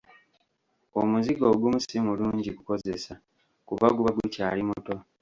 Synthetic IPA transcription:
omuziɡoːɡumusimuluːɲɟiɡuko̞zesa | kuβaɡuβaɡucaːlimuto̞

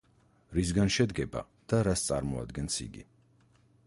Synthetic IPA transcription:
ɾis̬ɡanʃɛd̪ɡɛba̰ | d̪̥aɾast̪sʼaɾmɔa̰d̪ɡɛnsḭɡḭ

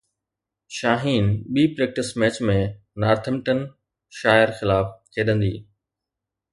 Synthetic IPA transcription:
ʃaːɦiːnɓiːpɾɛːk̚ʈɪsmɛːt͡ɕmẽ | naːɾt̪ʰəmʈən | ʃaːɪɾxɪlaːfk̪ʰeːɗə̃nd̪ḭː

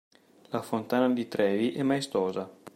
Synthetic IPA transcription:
lafont̪aːnad̪it̪ɾʔɛːviʔɛmːaest̪ɔːza

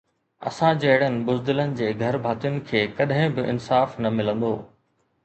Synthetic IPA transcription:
ɐ̰sãd͡ʑɐːɪɽənɪ̆bʊzd̪ɪlənɪ̆d͡ʑeːɡʱɐɾbʱaːt̪ijʊnɪ̆kʰeːkɐɗɦɪ̃bɪʔɪ̰nsaːfnɐmɪlə̃nd̪o̰ː

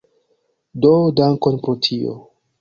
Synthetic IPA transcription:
dodaŋkonpɾotʰio̰

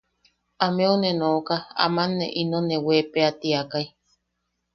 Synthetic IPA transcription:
ameonenokaa̰manːḛʔinonewepeat̪iakaj

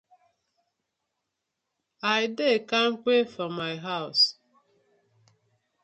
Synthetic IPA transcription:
aɪdekaŋ̩k͡pefɔmːaɪɦaʊs

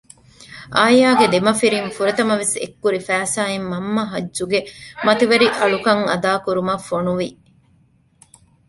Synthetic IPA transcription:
ʔaːjaːɡed̪emɐfiɾinfuɾet̪ɐmɐʋesḛkːuɾifæːsaːimːɐmːɐɦɐd͡ʒːʒuɡemɐt̪iʋɐɾiʔɐɭukɐŋɐd̪aːkuɾumɐfonuʋi

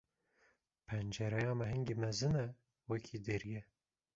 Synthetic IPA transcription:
pʰɛnd͡ʒɛɾɛjɑːmɛɦɨŋɡimɛzɨnɛ | wɛkʰiːd̪eɾijɛ

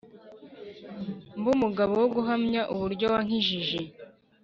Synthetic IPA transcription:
mbumuɡaβowoɡuɦamɲaʔuβuɾɟo̞waŋ̥iʒiʒe

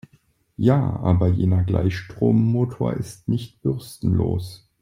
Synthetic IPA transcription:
jaːʔaːbɐjeːnɐɡla̰ɪçʃtʁ̥oːmːoːtʰoːɐʔɪstnɪçt̚b̥ʏʁstn̩lo̰ːs

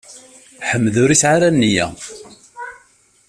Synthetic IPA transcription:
ħəmːðʊɾisʕaɾænːijæ̰

